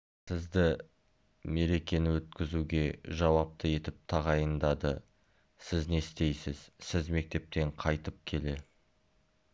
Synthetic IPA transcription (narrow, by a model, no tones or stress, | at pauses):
sɪzd̪ɪ | me̞ɾe̞kʲe̞nɪwɵt̪kʲɪzuɡʲe̞ʒɑwɑp̚t̪ʰəe̞t̪ɪp̚t̪ʰɑʁɑjənd̪ɑd̪ə | sɪzne̞st̪e̞jsɪz̥sɪzme̞k̚t̪e̞p̚t̪e̞ɴqʰɑjt̪əp̚kʲʰe̞le̞